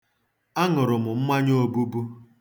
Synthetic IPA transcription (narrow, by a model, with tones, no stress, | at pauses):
a˦ŋʊ˨ɾʊ˨mʊ˨m̩˦ma˦ɲo˦bu˦bu˦